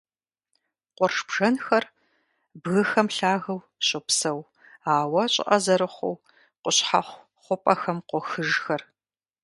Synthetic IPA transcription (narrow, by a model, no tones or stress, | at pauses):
qʷɔrʂb̥ʒ̥ɐnxɐr | bɣɨxɐmɬaːɣɐw | ɕʼɪpsɐw | aːwɐɕʼɪ̰ʔɐzɐɾɨχʷʊ̰w | qʷʊɕħa̰χʷ | χʷʊpʼɐxɐmqʷʊxɨʒxɐr